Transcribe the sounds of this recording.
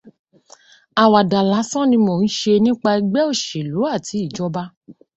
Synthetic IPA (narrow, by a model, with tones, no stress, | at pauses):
a˨wa˨da˨la˨˦sɔ̃˦nĩ˧˦mo˨n̩˦ʃe˧nĩ˦k͡pa˧i˧ɡ͡bɛ˦o˦˨ʃe˨lu˨˦a˦˨ti˨˦i˦˨d͡ʒɔ˦ba˦